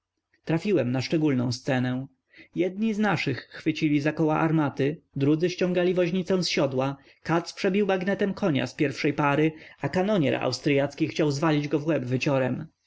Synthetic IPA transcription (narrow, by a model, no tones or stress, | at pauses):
t̪ɾafʲiwɛmnaʂt͡ʂɛɡulnɔ̃w̃st̪sɛnɛ̃ | jɛd̪̚ɲiznaʂɘxːfɘt͡ɕilʲizakɔwaʔaɾmat̪ɘd̪ɾud̪zɘɕt͡ɕɔ̃ŋɡalʲivɔʑɲit̪sɛw̃sɕɔd̪wa | kat̪spʂɛbʲiwmaɡnɛt̪ɛmkʰɔɲa̰spʲjɛɾfʂɛjpaɾɘakanɔɲɛ̰ɾa̰wst̪ɾɘjat̪skʲixt͡ɕawzvalʲid͡ʑɡɔvwɛbvɘt͡ɕɔɾɛm